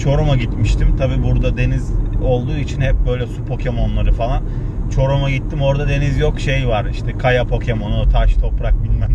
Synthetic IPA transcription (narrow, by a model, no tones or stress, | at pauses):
t͡ʃʰo̞ɾumaɟit̪miʃt̪ʰimt̪ʰabiːbuɾd̪ad̪e̞nizo̞lˠd̪uːit͡ʃʰinhɛp̚bø̞jlʲɛsupʰo̞cʰe̞mo̞nlˠaɾɯfalˠan | t͡ʃʰo̞ɾumaɟit̪ːimo̞ɾd̪ad̪e̞nizjo̞kʃe̞jvaɾiʃt̪ʰɛkʰajapʰo̞cʰe̞mo̞nut̪ʰaʃt̪ʰo̞pɾak̚bilʲmæm